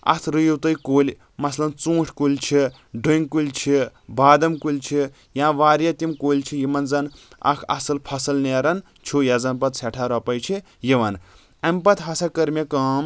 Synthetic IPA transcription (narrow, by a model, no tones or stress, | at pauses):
ɐ̰t̪ʰɾɨjuwt̪ɐjkolʲ | mɐslɐnt͡sũːʈʰkulʲt͡ʃʰi | ɖɨŋkulʲt͡ʃʰibaːd̪ɐmkulʲt͡ʃʰi | jãːʋaːɾjɐt̪ʲimkoːlʲt͡ʃʰijimɐnzɐnɐ̰kʰɐ̰sɨlpʰɐsɐlneɾɐn | t͡ʃʰujɐzɐnpɐt̪sʰeʈʰaɾɐpɐjt͡ʃʰi | jimɐn | ɐmpɐt̪ɦɐsakɐɾmʲekɐːm